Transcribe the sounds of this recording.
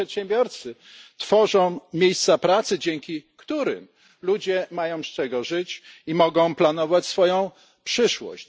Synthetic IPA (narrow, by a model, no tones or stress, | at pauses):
ɛt̪ɕɛ̃mbʲjɔɾt̪sɘ | t̪fɔʐɔ̃w̃mʲjejst̪sapɾat̪sɘd͡ʑɛŋkʲikt̪uɾɘ̰m | lud͡ʑɛmajɔ̃w̃st͡ʂɛɡɔʐɘt͡ɕimɔɡɔ̃w̃planɔvat͡ɕsfɔjɔ̃w̃ | pʂɘʂwɔ̰ɕ